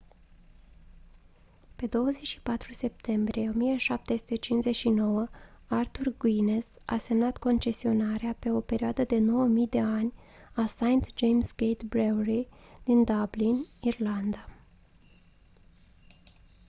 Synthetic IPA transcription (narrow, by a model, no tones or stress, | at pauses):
pe̞d̪o̞wəze̞t͡ʃʃi̥pat̪ɾuse̞p̚t̪ʰe̞mbɾijeo̞mijəʃap̚t̪e̞su̥t̪e̞t͡ʃinze̞t͡ʃʲʃino̞wəart̪urɡwines | a̰se̞mnat̪ko̞nt͡ʃe̞sio̞naɾeape̞o̞pe̞ɾioad̪əd̪e̞no̞wəmijd̪e̞anʲ | asajnt̪d͡ʒejmsɡejt̪bɾewrid̪̥ind̪ablinirland̪a